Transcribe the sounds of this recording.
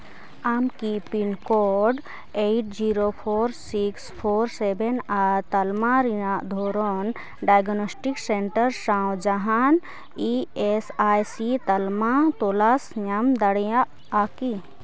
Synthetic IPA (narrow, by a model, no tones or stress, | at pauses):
amkipinkoːɖ | eʈ̚d͡ʒiːɾopʰoːɾsikspʰoːɾsebent̪ɐlmaɾd̪ʱoːɾon | ɖaːjɡnoːsʈiksẽɳʈəɾʃãːwd͡ʒɐɦaːn | iesaːjsit̪ɐlmat̪oːlaːsjamd̪ɐɽjã | aːki